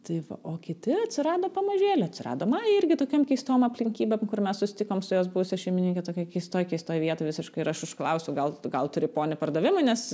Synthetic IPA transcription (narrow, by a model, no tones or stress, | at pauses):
t̪ɐɪʋɐ̰ʔoːkʲɪt̪ʲɪɐt̪ʲsʲɪɾɑːd̪oːpɐmɐʒʲeːlʲɛɐt̪ʲsʲɪɾɑ̰ːd̪oːmɐɪɾʲɡʲɪt̪oːkʲoːmkʲɛɪst̪oːmɐpʲlʲɪŋʲkʲiːbʲɛmkʊrmʲɛssʊsʲɪ̥t̪ʲɪkoːmsʊjoːs̬bʊʊsʲɛʃʲɛɪmʲɪnʲiŋʲkʲɛt̪oːkʲɛkʲɛɪst̪oːjkʲɛɪst̪oːjʋʲiɛt̪oːʋʲɪsʲɪʃkɐɪɪɾɐʃʊʃklˠɐʊsʲɛʊɡɐlˠɡɐlˠt̪ʊɾʲɪpoːnʲɪpɐrd̪ɐʋʲɪmʊɪnʲɛs